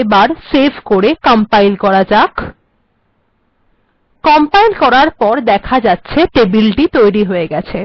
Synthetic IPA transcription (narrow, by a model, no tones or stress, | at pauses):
ebaɾsebʱkoɾekɔmpajlkɔɾad͡ʑak | kɔmpajlkɔɾaɾpɔɾd̪ɛkʰad͡ʑatːɕʰeʈebilʈit̪ojɾiɦoeɡɛt͡ɕʰe